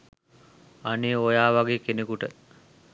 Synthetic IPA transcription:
aneojaːʋaɡeːkenekuʈə

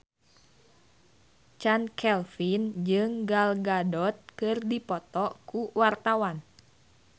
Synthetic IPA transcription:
t͡ʃankʰɛlfind͡ʒɨŋɡalɡadɔt̪̚kɨrdipɔt̪ɔkuwart̪awan

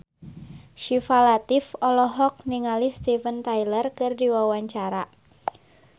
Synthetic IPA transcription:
ʃifalat̪ɪfɔlɔɦɔk̚niŋalist̪ifənt̪ajlərkɨrdiwawaɲt͡ʃaɾa

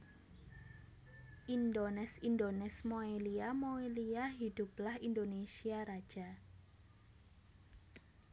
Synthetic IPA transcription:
ʔind̪onɛsind̪onɛsmoeliamoeliaɦid̪̥ṳplahind̪onesiaɾḁʒ̥a

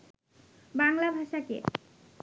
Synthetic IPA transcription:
baŋlabʱaʃakḛ

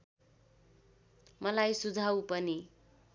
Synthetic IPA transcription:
mʌlajsud͡zʱawpʌni

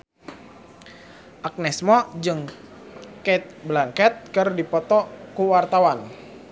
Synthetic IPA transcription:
ʔak̚nɛsmɔd͡ʒɨŋ | kɛt̪̚blaŋkɛt̪̚kɨrdipɔt̪ɔkuwart̪awan

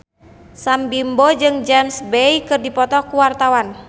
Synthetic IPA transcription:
sambimbod͡ʒɨŋd͡ʒɛmsbɛikɨrdipɔt̪ɔkuwart̪awan

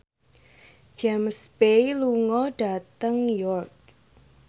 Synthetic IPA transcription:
d͡ʒɛmspejluŋɔɖ̥a̤t̪əŋjɔrk̚

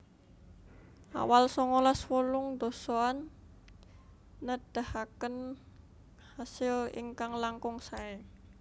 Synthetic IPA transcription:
a̰walsɔŋɔlaswɔlʊŋd̪osɔan | əd̥ahakən | hasɪlḭŋkaŋlaŋkʊŋsaɪ

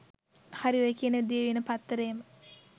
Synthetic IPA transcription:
haɾiojəkiənəʋid̪ieʋinəpat̪ːəɾejəmə

